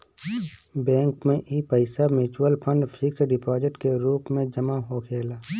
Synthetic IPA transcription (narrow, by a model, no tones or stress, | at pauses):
bɛ̃ːŋkmẽʔiːpəɪsamɪt͡ʃuwəlpʰə̃ɳɖpʰɪksɖɪpɔːzɪʈkeɾuːpmẽd͡ʒəmaɦoːkʰeːlaː